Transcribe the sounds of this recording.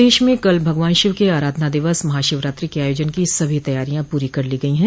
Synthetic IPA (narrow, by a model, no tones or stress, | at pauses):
eːʃmẽkɐlbʱɐɡʋaːnʃɪʋkeaːɾaːd̪ʱnad̪ɪʋəsmɐɦaːʃɪʋɾaːt̪ɾikeaːjoːd͡ʒənkisɐbʱit̪ɐjaːɾijãpuːɾikɐɾliɡɐiɦɛ̃ː